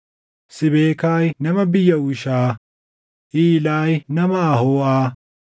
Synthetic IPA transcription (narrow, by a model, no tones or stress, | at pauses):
sɪbeːkaːjnɐmɐbɪjːɐʊʃaː | ʔiːlaːjnɐmɐːhoːʔaː